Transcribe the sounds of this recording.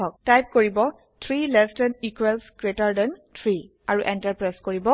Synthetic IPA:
ɔk̚tajp̚koɹibɔ | tʰɹilɛstɛnikwɛlskɹetaɹdɛntʰɹi | aɹuʔɛntaɹpɹajskoɹibɔ

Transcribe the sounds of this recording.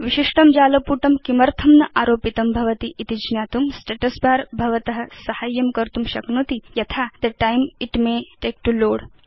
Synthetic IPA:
ʋiʃiʂʈɐmd͡ʒaːlɐpuːʈɐmkimɐɾt̪ʰɐmnɐʔaːɾoːpit̪ɐmbʱɐʋɐt̪iʔit̪id͡ʒnjaːt̪umsʈeːʈɐsbaːɾbʱɐʋɐt̪ɐɦɐ̆sɐhaːjɐmkɐɾt̪umʃɐknot̪ijɐt̪ʰad̪ɐʈajmiʈmeʈeːk̚ʈuloːɽ

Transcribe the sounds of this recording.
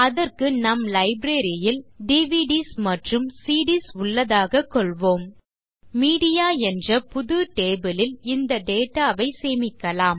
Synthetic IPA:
ɐðɐrkɯnɐmlɐɪbɾeːɾɪjɪlɖiʋiːɖismɐʈrɯmsiːɽisʊɭːɐðaːɣɐkːɔɭʋoːm | miːɽɪjaːɛndrɐpʊðɯʈeːbɯlɪlɪnd̪ɐɖ̪eːʈːaːʋɐɪseːmɪkːɐlaːm

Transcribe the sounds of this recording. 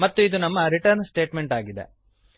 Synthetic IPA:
mɐt̪ːuid̪unɐmːɐɾiʈɐɾnsʈe̞ːʈme̞ɳʈaːɡid̪ḛ

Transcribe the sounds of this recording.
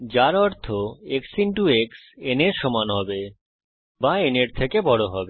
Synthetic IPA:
d͡ʑaɾɔɾt̪ʰoeksinʈuekseneɾʃɔmanɦɔbe | baeneɾt̪ʰekebɔɽoɦɔbe

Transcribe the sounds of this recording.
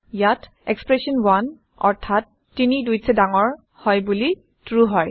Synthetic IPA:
jat | ɛkspɹɛsɔnwan | ɔ̰ɹtʰatːinidujsɛdaŋɔɹ | hɔjbuli | tɹuɦɔj

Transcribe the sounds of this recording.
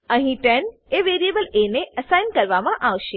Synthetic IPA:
əɦĩʈeɳ | eʋeɾijebəleneəsajnkəɾʋamãʔaʋʃe

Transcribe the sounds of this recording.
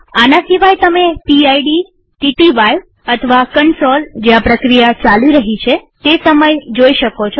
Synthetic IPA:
anasiʋajt̪əmepiajɖi | ʈiʈiʋajʋ | ət̪ʰəʋakəɳsold͡ʒeʋapɾəkɾijat͡ʃaliɾəɦit͡ʃʰet̪esəməjd͡ʒoiʃəkot͡ʃʰo

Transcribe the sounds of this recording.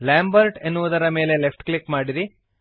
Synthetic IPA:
laːmbɐɾʈenːuʋud̪ɐɾɐme̞ːle̞lepʰʈklikmaːɽiɾi

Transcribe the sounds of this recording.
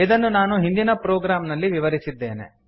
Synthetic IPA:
id̪ɐnːunaːnuɦind̪inɐpɾoːɡɾaːmnɐlːiʋiʋɐɾisid̪ːeːne̞̰

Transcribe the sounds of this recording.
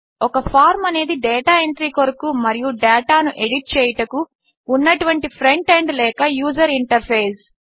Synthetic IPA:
ɔkɐpʰaːɾmɐne̞ːd̪iɖɛːʈaːe̞ɳʈɾiːkoɾɐkumɐɾijuɖɛːʈaːnuʔe̞ɖiʈ̚t͡ʃɛːjɐʈɐkuː | nːɐʈuʋɐɳʈipʰɾe̞ɳʈeɳɖlɛːkɐjuːd͡ʒɐɾiɳʈɐɾpʰeːs

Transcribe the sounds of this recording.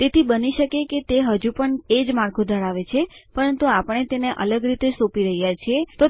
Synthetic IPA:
t̪et̪ʰibəniʃəkeket̪eɦəd͡ʒupəɳed͡ʒmaɾkʰud̪ʱəɾaʋet͡ʃʰepəɾənt̪uapəɳ̃et̪eneʔə̰ləɡɾit̪esopiɾəɦijat͡ʃʰiet̪o

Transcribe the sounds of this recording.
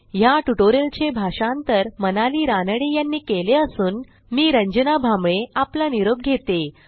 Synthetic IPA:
jaʈuʈoɾelt͡ɕebʱaʂant̪əɾmənaliːɾanəɽejanːiːkeleəsuːn | miːɾəɲd͡ʑənabʱamɭeaplaniɾob̚ɡʱet̪e

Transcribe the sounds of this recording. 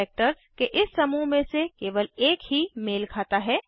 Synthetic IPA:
eːk̚ʈəɾzkeʔɪsːɐmumẽsekeːʋəleːkɦimeːlkʰaːt̪aɦɛː

